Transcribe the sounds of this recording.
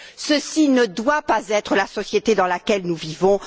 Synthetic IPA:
səsinəd̪wapazɛt̪χəlasɔsjet̪ed̪ɑ̃lakʲɛlnuvivɔ̃

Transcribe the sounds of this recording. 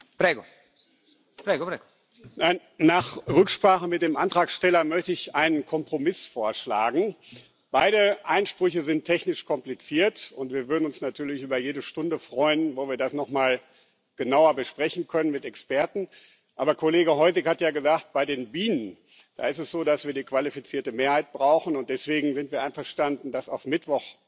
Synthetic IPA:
pʁeːɡo | pʁeːɡoʁeɡo | naɪnːaːχʁʏkʃpʁ̥aːχəmɪt̚d̥eːmʔantʁ̥aːksʃtɛlɐmœçtəɪçʔaɪnənkʰɔmpʁ̥omɪsfoːɐʃla̰ːɡŋ̩ | b̥aɪɾəʔaɪnʃpʁ̥ʏçəzɪntʰɛçnɪʃkʰɔmplit͡siːɐtʊntv̥iːɐvʏɐdn̩ʊnsnatʰyːɐlɪçʔyːbɐjeːdəʃtʊndəfʁ̥ɔʏənvoːviːɐdasnɔχmaːl | ɡ̥ənaʊɐbəʃpʁ̥ɛçn̩kʰœnənmɪtɛkspɛɐtn̩ | ʔaːbɐkʰoleːɡəɦɔʏzɪkhatjaːɡəzaːxt̚b̥aɪdeːnbiːnən | d̥a̰ːɪstɛsz̥oːdasv̥iːɐdiːkv̥alifit͡siːɐtəmeːɐhaɪt̚b̥ʁaʊxn̩ʊnt̚d̥ɛsv̥eːɡŋ̩zɪntv̥iːɐʔaɪnfɐʃtandn̩dasaʊfmɪtv̥ɔχ

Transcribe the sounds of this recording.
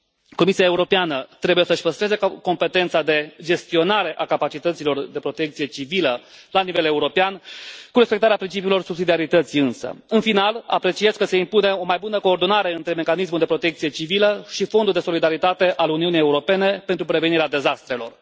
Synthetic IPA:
ko̞misiaeuɾo̞peanət̪ɾe̞buje̞səɨʃpəst̪ɾe̞ze̞ko̞mpe̞t̪e̞nt̪sad̪e̞d͡ʒe̞st̪io̞naɾe̞ʔakapat͡ʃit̪ət̪silo̞rd̪e̞pɾo̞t̪e̞k̚t̪sije̞t͡ʃiviləlanive̞leuɾo̞peankuɾe̞spe̞k̚t̪aɾeapɾint͡ʃipiulo̞rsubsid̪iaɾit̪ət̪siɨnsə̰ɨnfinala̰pɾe̞t͡ʃije̞zkəseimpune̞o̞majbunəko̞ːrd̪o̞naɾe̞ɨnt̪ɾe̞me̞kanis̬muld̪e̞pɾo̞t̪e̞k̚t̪sije̞t͡ʃiviləʃifo̞nd̪uld̪eso̞lid̪aɾit̪at̪e̞ʔaluniunijeuɾo̞pe̞ne̞pe̞nt̪ɾupɾe̞ve̞niɾead̪e̞zast̪ɾe̞lo̞̰r

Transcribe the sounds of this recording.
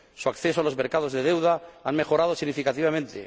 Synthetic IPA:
suakθesoalo̞zmeɾkað̞ozðe̞ð̞e̞wðaaŋme̞xo̞ɾað̞osiɣnifikat̪iβ̞amẽnt̪ḛ

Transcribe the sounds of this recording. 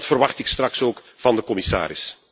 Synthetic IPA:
tfərʋɑxtɪkstrɑksoːkvɑndəkɔmɪsa̰ːɾɪs

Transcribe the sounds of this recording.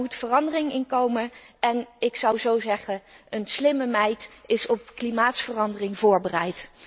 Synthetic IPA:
mutfərɑndərɪŋɪnkowməɛnɪksɑwzowzɛχəənslɪməmɛjtɪsɔp̚klimaːtsfərɑndərɪŋvʊːɹbərɛjt

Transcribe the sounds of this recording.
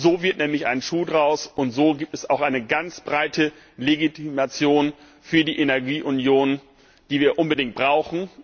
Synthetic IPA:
zoːvɪɐtnɛːmlɪçʔa̰ɪnnʃuːdʁaʊsʊntz̥oːɡiːp̚tɛsaʊxʔaɪnəɡant͡sb̥ʁaɪtʰə | leɡitʰimat͡sjoːn | fyːɐdiːʔenɛɐɡiːʔʊnjoːn | d̥iːviːɐʔʊnbədɪŋt̚b̥ʁaʊxn̩

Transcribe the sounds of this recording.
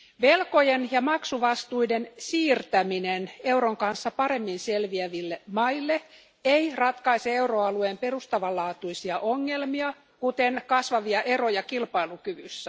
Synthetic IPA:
ʋelko̞jenjɑmɑksuʋɑst̪uidensiːrt̪æminenewɾoŋkɑnsːɑpɑɾe̞mːinselʋiæʋilːemɑilːe | eirɑt̪kɑiseewroɑluempe̞rust̪ɑʋɑlːɑːt̪uisiɑʔoŋːe̞lmiɑ | kut̪eŋkɑsʋɑʋiɑʔerojɑkilpɑilukyʋysːæ

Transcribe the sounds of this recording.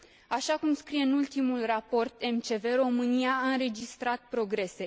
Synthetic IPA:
aʃakumskɾije̞ɨnult̪imulrapo̞rt̪e̞mt͡ʃe̞ve̞ɾo̞mɨnijaːɨnɾe̞d͡ʒist̪ɾat̪̚pɾo̞ɡɾe̞se̞

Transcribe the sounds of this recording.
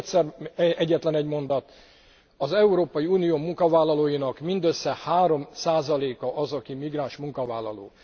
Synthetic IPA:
t̪sɛrɛɟːɛt̪lɛnɛɟmo̞nd̪ɒt̪ | ɒzɛuɾoːpɒjiuːnijoːmuŋkɒvaːlːɒloːjinɒkmind̪øsːɛhaːɾo̞msaːzɒleːkɒʔɒzɒkimiɡraːnʃmuŋkɒvaːlːɒ̰lo̰ː

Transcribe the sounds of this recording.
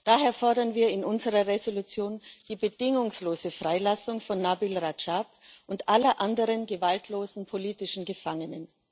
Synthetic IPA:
d̥aːɦeːɐfɔɐdɐnviːɐɪnʔʊnzəʁɐʁezolut͡sjoːnd̥iːbədɪŋʊŋsloːzəfʁ̥aɪlasʊŋfɔnːabɪlʁat͡ʃapʔʊntʔalɐʔandəʁənɡəvaltʰloːzn̩pʰoliːtɪʃn̩ɡəfaŋənən

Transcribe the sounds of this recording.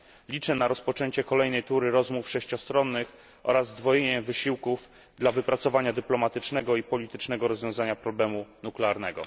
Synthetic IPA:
lʲit͡ʂɛnaɾɔspɔt͡ʂɛɲt͡ɕɛkɔlɛjn̪ɛjt̪uɾɘɾɔzmufʂɛɕt͡ɕɔst̪ɾɔnːɘx | ʔɔ̰ɾazːd̪vɔjeɲɛvɘɕiwkuv | d̪lavɘpɾat̪sɔvaɲad̪ɘplɔmat̪ɘt͡ʂnɛɡɔipɔlʲit̪ɘt͡ʂnɛɡɔɾɔzvjɔ̃w̃zaɲapɾɔblɛmunuklɛaɾnɛɡɔ̰

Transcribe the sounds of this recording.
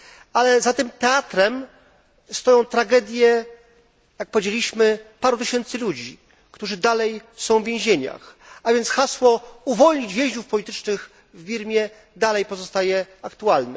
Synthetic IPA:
alɛzat̪ɘmt̪ɛat̪ɾɛm | st̪ɔjɔ̃w̃t̪ɾaɡɛd̪ʲjɛ | jak̚pɔvʲed͡ʑelʲiɕmɘpaɾut̪ɘɕɛnt̪sɘlud͡ʑi | kt̪uʐɘd̪alɛjsɔ̃w̃vʲjẽɛ̃ʑeɲa̰xavʲjɛnt̪sxaswɔuvɔlɲid͡ʑvʲjẽʑd͡ʑufpɔlʲit̪ɘt͡ʂnɘx | vbʲiɾmʲjɛ | d̪alɛjpɔzɔst̪ajɛakt̪ualnɛ

